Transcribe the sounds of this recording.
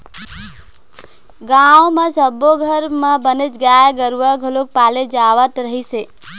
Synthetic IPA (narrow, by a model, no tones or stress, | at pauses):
ɡawmãsəboɡʱəɾmãbənet͡ʃɡajaɡəɾʋaɡʱolok̚paled͡ʒaʋət̪ɾəɦise